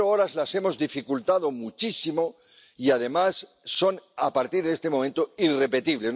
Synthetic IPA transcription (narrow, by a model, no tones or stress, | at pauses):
ooɾazlase̞mo̞zðifikult̪að̞o̞mut͡ʃisimo̞ | iað̞e̞masː | o̞napaɾt̪iɾðest̪e̞mo̞ment̪oire̞pe̞t̪iβle̞z